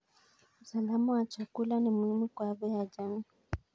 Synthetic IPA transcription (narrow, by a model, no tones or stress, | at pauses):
usalamawat͡ʃakulanimuhimukwaɓɛjad͡ʒami